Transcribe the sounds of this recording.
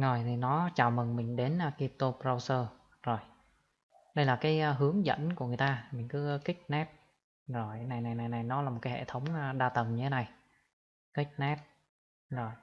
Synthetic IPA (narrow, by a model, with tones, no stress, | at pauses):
zo˨˩jt̪ʰi˨˩nɔ˨˦t͡ɕaː˨˩wmi˨˩ŋmï˨˩ŋ̟ɗe˨˦nː˧ki˧p̚t̪o˧pɾa˧wsəː˧ | zo˨˩j | ɗə˧jlaː˨˩kaː˨˦jɦɨ˨˦əŋzə̰˧˨nku˧˩əŋɨ˨˩jt̪aː˧mï˨˩ŋ̟kɨ˨˦˧kï˦˥k̟̚nɛ˦˥p̚ | zo˨˩jna˨˩jna˨˩jna˨˩jna˨˩jnɔ˨˦laː˨˩mo˨˩t̚kaː˦hʰḛ˧˨˩t̪ʰə˨˦wŋ͡mɗaː˧t̪ə˨˩mɲɨ˧t̪ʰe˨˦na˨˩j | kï˦˥k̚nɛ˦˥p̚ | zo˨˩j